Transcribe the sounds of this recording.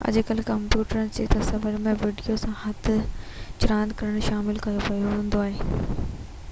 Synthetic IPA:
ɐ̰d͡ʑɪkəlkɐmpjuːʈəɾənɪ̆t͡ɕeːt̪ɐsɐbəɾmẽʋiːɖijosãhɐt̪ʰʊt͡ɕʊɾãːnd̪kɐɾəɽ̃ʃaːmɪlkɐjopɐjoɦũːnd̪oaːɦeː

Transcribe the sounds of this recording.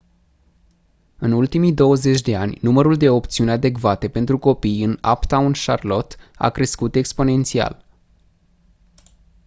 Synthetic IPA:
ɨnult̪imid̪o̞wəze̞t͡ʃʲd̪e̞anʲnuməɾuld̪e̞o̞pt̪siunʲad̪e̞kvat̪e̞pe̞nt̪ɾuko̞pijɨna̰pt̪aunʃarlo̞t̪a̰kɾe̞skut̪e̞kspo̞ne̞nt̪sia̰l

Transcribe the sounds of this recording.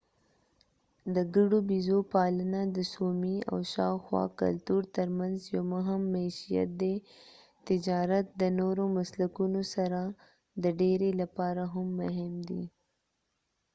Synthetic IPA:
d̪əɡəɽobizopɑlənad̪əsomia̰wʃɑ̰wxwɑ̰ka̰lt̪uɾt̪əɾmanzjomʊɦɪmːaʃija̰t̪̚d̪e | t̪ɪd͡ʒɑɾat̪̚d̪ənoɾomaslakunosaɾa | d̪əɖeɾelapɑɾaɦʊmːʊɦɪmd̪ḭ

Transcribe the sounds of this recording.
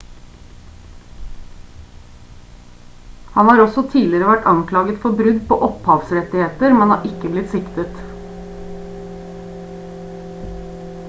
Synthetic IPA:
hɑnhɑːɾɔsɔt̪ʰiːlɪɾəʋæʈɑŋkʰlɑːɡət̪fɔbɾʉd̪po̰ːʔɔphɑːʋsɾɛt̪ɪheːt̪əɾmɛnhɑ̰ːɾʔɪkəblɪt̪sɪkt̪ət̪

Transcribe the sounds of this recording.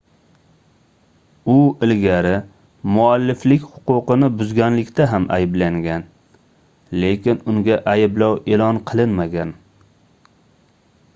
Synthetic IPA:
ʊɪlɡʲaɾɪ | mʊalːɪflɪkʲhʊ̥qʊqɨnɪbʊzɡʲanlɪkʲt̪ʰaɦamʔa̰jɪblaŋɡʲan | le̞kʲɪnʊŋɡʲaʔajɪblɒwe̞lɒnqʰɨlˠɪnmaɡʲan

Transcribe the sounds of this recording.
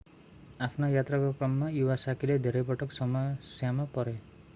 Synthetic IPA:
apʰnajat̪rakokrʌmːajuwasakiled̪ʱeɾʌjpʌʈʌksʌmʌsjamapʌɾe

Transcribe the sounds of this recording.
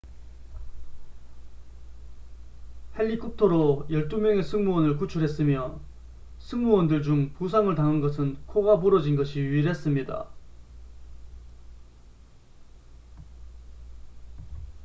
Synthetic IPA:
he̞ʎːikʰop̚tʰoɾojʌɭt͈umjʌŋe̞sʰɯŋmuwʌnɯɭk̬ut͡ɕʰuɾɦe̞s͈ɯmjʌ | sʰɯŋmuwʌndɯɭd͡ʑuŋpusʰaŋɯɭtaŋɯnɡʌsʰɯnkʰoɡapoɾʌd͡ʑinɡʌɕʰiɥiɾɦe̞s͈ɯmɲida̰

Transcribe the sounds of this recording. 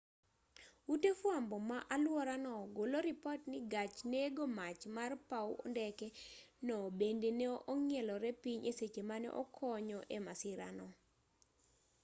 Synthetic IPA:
utefwambɔmaʔalwɔɾanɔɡoloɾɪpɔtnɪɡat͡ʃneɡomat͡ʃmarpawʔɔ̰ndɛkɛ | nɔbendeneoʔɔŋɪɛlɔɾɛpiɲʔeset͡ʃemanɛ̰ʔɔ̰kʰɔɲɔʔemasɪɾa̰nɔ

